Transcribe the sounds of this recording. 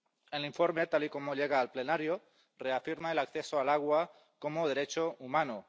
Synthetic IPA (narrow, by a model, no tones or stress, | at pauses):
enliɱfo̞ɾme̞t̪aliko̞moʎe̞ɣ̞aːlple̞naɾjo | re̞afiɾmaelakθe̞soalaɣ̞wa | ko̞moð̞e̞ɾe̞t͡ʃoumano